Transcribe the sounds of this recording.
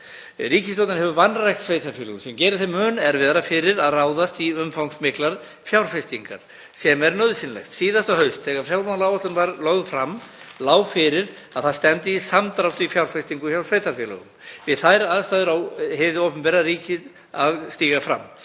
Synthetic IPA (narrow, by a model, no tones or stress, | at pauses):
riːcɪst̪owt̪ɪnhɦɛvʏvanrajxt̪sveːjt̪ʰaɾfjʏːləɣʏmsɛmcɛːɾɪɾθemːœːnɛɾvɪðaɾafɪɾɪɾaðraːwðast̪iʏmfawŋsmɪklaɾ | fjawɾfɛst̪iŋka̰ɾ̥ | sɛmɛɾnœðsɪnlɛ̰jxt̪siːðast̪ahœɥst̪θɛːɣaɾfjawɾmanlawat̪lʏnvaɾlɔɣðʏfɾamːlaːwfɪɾɪɾ | aðθaðst̪ɛnt̪ɪisamt̪ɾawt̪ʏifjawɾ̥fɛst̪iŋkʏçjaw̥svejt̪ʰaɾfjɛlʏ̰ɣʏ̰mvɪðθajɾaðst̪ajðʏɾawhɛvðɪowpʏmpɛːɾaɾriːcɪð | aðst̪iːɣafɾa̰mː